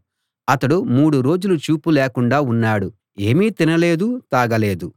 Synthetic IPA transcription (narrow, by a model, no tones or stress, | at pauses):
ɐt̪ɐɽumuːɽuɾo̞ːd͡ʒulut͡ʃuːpulɛːkuɳɖaːunːaːɽu | e̞ːmiːt̪inɐleːd̪ut̪aːɡɐle̞ːd̪u